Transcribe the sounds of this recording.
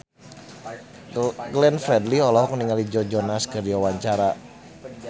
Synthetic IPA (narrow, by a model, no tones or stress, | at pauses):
ɡlɛnfɾɛdliɔlɔɦɔkŋniŋalid͡ʒɔd͡ʒɔnaskɨrdiwawaɲt͡ʃaɾa